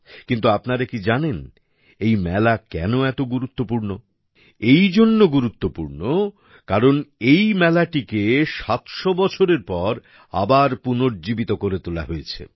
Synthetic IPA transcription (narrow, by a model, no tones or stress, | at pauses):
kint̪uapnaɾekid͡ʑanen | ejmɛlakɛnoɛt̪oɡuɾut̪ːopuɾno | ejd͡ʑonːoɡuɾut̪ːopuɾno | kaɾonejmɛlaʈikeʃat̪ʃobɔt͡ɕʰoɾeɾpɔɾ | a̰baɾpunoɾd͡ʑibit̪okoɾet̪ola̰ɦojet͡ɕʰḛ